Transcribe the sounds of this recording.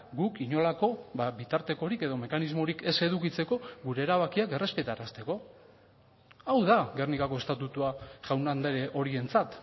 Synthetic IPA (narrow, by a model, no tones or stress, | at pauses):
ɡukiɲo̞lako̞βaβit̪aɾt̪e̞ko̞ɾike̞ðo̞me̞kanizmo̞ɾike̞se̞ðukit͡se̞ko̞ɡuɾe̞ːɾaβakiake̞re̞spe̞t̪aɾast̪e̞ko̞ | awðaɡe̞rnikako̞e̞st̪at̪ut̪uaʝawnand̪eɾeʔo̞ɾie̞nt͡sat̪